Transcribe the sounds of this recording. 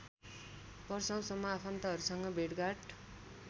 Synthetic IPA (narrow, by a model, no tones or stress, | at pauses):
bʌrsʌ̃w̃sʌmːʌːpʰʌnt̪aɦʌɾusʌŋɡʌbʱeɽɡaʈ